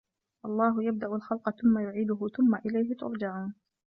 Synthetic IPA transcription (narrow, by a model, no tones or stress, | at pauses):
ʔɑlˤːɑːɦʊjab̚d̪aʔʊlxalqɑθʊmːajʊʕiːd̪ʊɦʊθʊmːaʔɪlajɦɪt̪ʊ̰ɾˤd͡ʒaʕuːn